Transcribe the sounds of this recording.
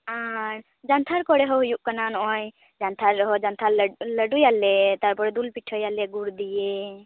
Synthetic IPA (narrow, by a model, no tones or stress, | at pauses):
aɾ | d͡ʒant̪ʰaɾkɔɽɛɦɔɦujuʔkananɔʔɔj | d͡ʒant̪ʰaɾːɔɦɔd͡ʒant̪ʰaɾləɖujalɛt̪aɾpɔɽɛd̪ulpiʈʰɔjalɛɡuɾd̪ije